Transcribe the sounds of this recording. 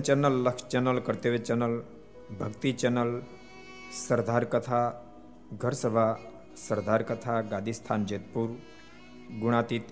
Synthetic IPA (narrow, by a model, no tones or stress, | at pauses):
t͡ɕənəlːəkʂt͡ɕenəlkəɾt̪eʋet͡ɕənəl | bʱəɡt̪it͡ɕənəl | səɾd̪ʱaɾkət̪ʰa | ɡʱəɾsəbʱa | səɾd̪ʱaɾkət̪ʰaɡad̪ʱist̪ʰand͡ʑet̪̚puːɾ | ɡuɽ̃at̪iːt̪